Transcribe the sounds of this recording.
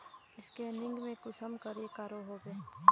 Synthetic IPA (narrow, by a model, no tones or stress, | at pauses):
ɪskeːnɪ̃ŋɡmẽkʊsəmkəɾekaɾoɦoɡeː